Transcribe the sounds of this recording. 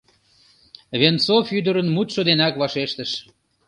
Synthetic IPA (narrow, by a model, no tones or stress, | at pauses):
βent͡sofyd̪əɾənmut̪ʃod̪enɑkβɑʃeʃt̪əʃ